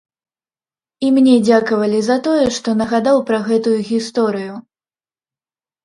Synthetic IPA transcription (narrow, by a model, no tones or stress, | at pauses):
imnʲɛd͡zʲakɐvɐlʲizɐt̪ɔjɛʂt̪ɔnɐɣad̪awpɾɐɣɛt̪ujuɣʲist̪ɔɾɨju